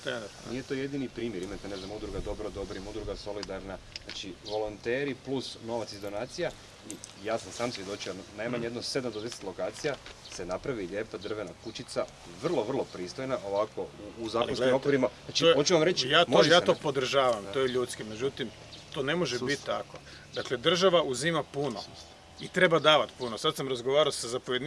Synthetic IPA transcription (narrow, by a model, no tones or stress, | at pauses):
nije̞t̪o̞jed̪inipɾiːmjeɾimat̪ene̞znamud̪ɾuɡad̪o̞bɾod̪o̞bɾimud̪ɾuɡaso̞lid̪aɾna | znat͡ʃiʋo̞lont̪eːɾiplusno̞ʋat̪sizd̪o̞naːt̪sija | ijaːsamsaːmsʋje̞d̪o̞t͡ʃianajmaɲejed̪nose̞d̪amd̪od̪e̞set̪lo̞kaːt̪sijase̞napɾaʋiʎe̞ːpad̪r̩ʋe̞nakut͡ʃit̪sa | ʋr̩lˠo̞ʋr̩lˠo̞pɾiːst̪ojnao̞ʋako̞uːzaːkkonsimo̞kʋoɾimaat͡ʃiot͡ʃuʋamɾet͡ʃjamojaːt̪opod̪r̩ʒaːʋamojeʎuːt̪skimed͡ʒut̪im | t̪oːne̞mo̞ʒebit̪ːt̪ːako̞ | d̪akle̞d̪r̩ʒaʋaʔuzimapuno | it̪ɾe̞bad̪aːʋat̪punosat̪samɾazɡoʋaːɾaosazapoje